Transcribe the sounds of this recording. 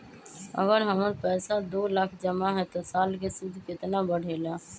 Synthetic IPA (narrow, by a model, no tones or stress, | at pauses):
ə̰ɡəɾɦəməɾpɛːsad̪oːlakʰd͡ʒəmaɦɛt̪osaːlkesʊd̪ʱkɪt̪nabəɽ̤ʱeːlaː